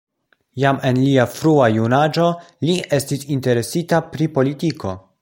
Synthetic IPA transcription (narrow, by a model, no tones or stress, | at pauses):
jame̞nliafɾuajunad͡ʒo̞ | lie̞stisinte̞ɾe̞sitapɾipo̞litiko̞